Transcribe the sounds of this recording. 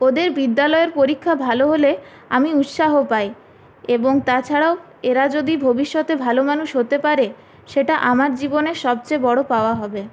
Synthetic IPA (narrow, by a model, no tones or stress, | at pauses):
od̪eɾbid̪ːalɔeɾpoɾikʰːabʱaloɦole | a̰miut̪ʃaɦopaj | eboŋt̪at͡ɕʰaɽao | eɾad͡ʑod̪ibʱobiʃːɔt̪ebʱalomanuʃɦot̪epaɾe | ʃeʈaʔamaɾd͡ʑiboneʃɔb̚t͡ɕebɔɽopaoaɦɔbe